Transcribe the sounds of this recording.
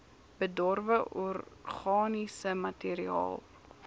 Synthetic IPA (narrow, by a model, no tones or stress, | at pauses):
b̥ədɔrvəʔɔrχɑːnisəmɐtiːɾiɑ̰ːlˠ